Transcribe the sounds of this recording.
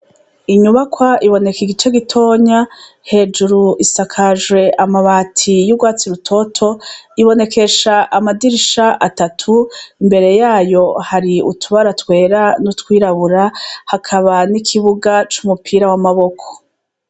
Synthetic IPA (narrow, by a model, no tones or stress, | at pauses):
iɲuβakwaiβo̞ne̞kiɡit͡ʃe̞ɡitʰo̞ːɲa | he̞ːd͡ʒuɾuʔisakʰaʒwe̞ʔamaβaːtʰijubɡwaːt͡siɾutʰo̞tʰo̞iβo̞ne̞ke̞ʃaʔamadiɾiʃaʔatatʰuimbe̞ɾe̞jaːjo̞haɾiṵtʰuβaɾatwe̞ːɾanutwiːɾaβuɾahakʰaβanikʰiβuɡat͡ʃumupʰiːɾawamaβo̞kʰo̥